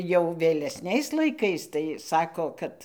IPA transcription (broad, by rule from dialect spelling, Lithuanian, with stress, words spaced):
jɛʊ ʋʲeːlʲɛˈsʲnʲɛɪs lˠɐɪˈkɐɪs tɐɪ ˈsɑːkoː ˈkɐt